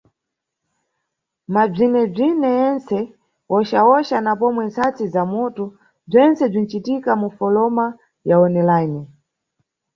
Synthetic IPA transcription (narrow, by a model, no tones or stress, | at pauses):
mab͡ʐinɛb͡ʐinɛjɛnt͡sɛ | wɔʃaɔʃanapɔmwɛnt͡sat͡sizamutu | b͡ʐɛnt͡sɛb͡ʐin̩t͡ʃitikamufɔlɔma | jaɔnɛlajnɛ